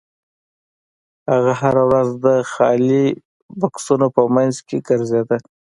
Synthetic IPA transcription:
haɣaɦaɾawɾazd̪əxɑli | baksunopəmajnzkeɡəɾzed̪a

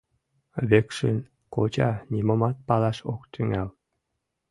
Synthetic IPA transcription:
βekʃɘn | kot͡ɕɑnʲimŏmɑt̪̚pɑlɑʃok̚t̪yŋæl

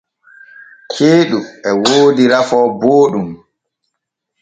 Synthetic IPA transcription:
kʰeːɗuɛwoːdiɾafɔːboːɗum

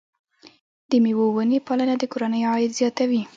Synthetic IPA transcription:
d̪̥əmewowənepɑlanad̪əkoɾanəjoɑjɪd̪zjɑt̪awi

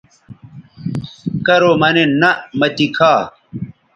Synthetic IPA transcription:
kɐɾomɐnenɐmɐt̪ikʰaː

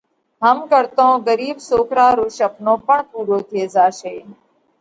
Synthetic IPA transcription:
ɦəmkəɾt̪õːɡəɾiːbsoːkʰɾaːɾoːʃəpnõːpəɳpuːɾoːt̪ʰeːzaːʃeː

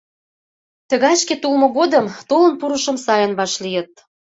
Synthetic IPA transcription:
t̪əɣɑʃket̪ulmŏɣod̪əmt̪olə̆npuɾəʃəmsɑjə̆nβɑʃlijə̆t̪̚

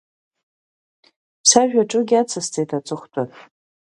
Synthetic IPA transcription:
saʒᶣaʈ͡ʂʼɨɡʲat͡sʰast͡sʼejtʰat͡sʼɨχʷtʼar

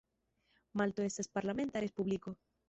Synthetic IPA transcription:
malt̪oest̪aspaɾlamẽnt̪aɾespuβliko

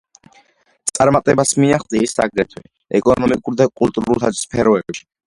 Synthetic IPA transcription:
t̪sʼaɾmat̪ʼɛbasmiaχzʼɛisːaɡɾɛt̪ʰwɛ̰ | ɛkʼɔnɔmikʼuɾd̪akʼulˠt̪ʼuɾulˠt̪ʰad̪spʰɛɾɔɛbʃi̥

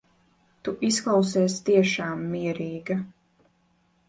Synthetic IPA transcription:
t̪uʔisklˠawsɛːst̪iɛʃaːmːiɛɾiːɡɐ

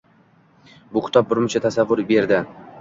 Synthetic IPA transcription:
bʊkʲʰɪ̥t̪ʰɒp̚bʊɾmʊt͡ʃʰat̪ʰasavːʊɾbe̞ɾd̪ɪ

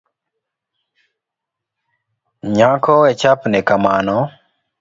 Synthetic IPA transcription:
ɲakɔɛt͡ʃapnɛkamanɔ

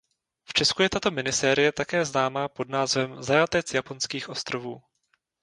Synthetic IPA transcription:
ft͡ʃɛskujɛt̪at̪o̞mɪnɪsɛːɾɪjɛt̪akɛːznaːmapo̞dnaːzvɛmzajat̪ɛt͡sjapo̞nskiːxʔo̞st̪ɾo̞vuː

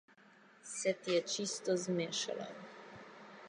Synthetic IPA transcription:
sɛt̪ijɛt͡ʃist̪ɔzmeːʃa̰la̰

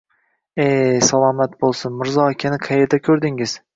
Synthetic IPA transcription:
esalˠɒmat̪̚bolˠsʊnmɪɾzɒakʲʰanɪqʰɑjɪɾd̪akʲʰɵɾd̪ɪŋɪz̥

